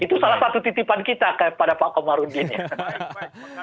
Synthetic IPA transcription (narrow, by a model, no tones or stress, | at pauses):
it̪usalahsat̪ut̪it̪ipankit̪akəpadapakomaɾundinja